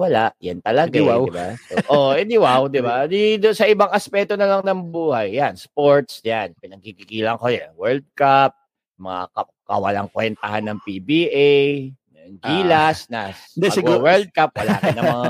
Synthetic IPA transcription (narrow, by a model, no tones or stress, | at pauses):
wɐlaʔjant̪ɐlɐɡaɪbasoʔoɛd̪ɪwawd̪ɪbad̪id̪ʊsɐʔɪbaŋɐspɛkt̪onɐlɐŋnɐŋbuːhɐjːanspoɹt̪sjanpɪnɐɡ̚kikikiːlɐŋkojɛwɛld̪̚kap̚ | mɐŋa̰kɐ | kɐ̰wɐla̰ŋkwɛnt̪ɐhanːɐŋpibiʔɛj | ɐɡiːlasnasɡwɛld̪̚kap̚wɐla̰ːɐnɐmmɐŋaa